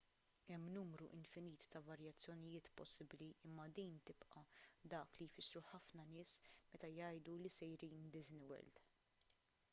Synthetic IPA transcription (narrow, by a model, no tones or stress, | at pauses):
ɛmːnuːmɾuʔɪnfɪniːt̪ːɐvɐɾjɐt͡sːjɔnɪjɪːt̪pɔsːɪbliɪmːɐd̪iːnt̪ɪpʔɐd̪ɐːklijfɪsːɾuħɐfnɐnɪːsmɛt̪ɐjɐjd̪ulisɛjɾiːnd̪ɪznɪwɛ̰ld̪